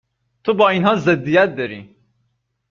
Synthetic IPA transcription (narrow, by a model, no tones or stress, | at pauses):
t̪ʰobɒːinhɒːzed̪ːijæt̪̚d̪ɒɾḭː